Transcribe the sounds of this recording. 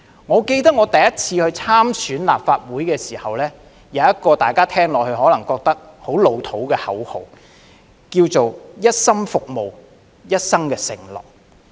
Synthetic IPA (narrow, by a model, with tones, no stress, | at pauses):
ŋɔː˨˧ke˧jt̪ɐ˥k̚ŋɔː˨˧t̪ɐ˨jɐ˦˥t̚t͡sʰiː˧hɵ˧ɥt͡sʰaː˥msyː˨˥nla̰ː˨p̚faː˧t̚wuː˨˥jkɛː˧siː˨˩hɐ˨wlɛː˥ | jɐ˨˧wjɐ˥t̚kɔː˧t̪aː˨jkaː˥t̪ʰɛː˥ŋlɔː˨khɵ˧ɥhɔː˨˥lɐ˨˩ŋkɔː˧k̚t̪ɐ˥k̚ | ho˨˥wlo˨˧wt̪ʰo˨˥wkɛː˧hɐ˨˥who˨˩w | kiː˧wt͡so˨wjɐ˥t̚sɐ˥ŋfʊ˨k̚mo˨˩w | jɐ˥t̚sɐ˥ŋkɛː˧sɪ˨˩ŋlɔ̰ː˨k̚